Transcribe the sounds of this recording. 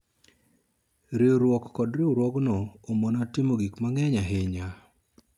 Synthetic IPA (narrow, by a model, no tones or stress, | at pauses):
ɾɪoɾwɔkːɔdɾɪoɾwɔɡnɔomonatɪmoɡikmaŋɛɲaɦeɲa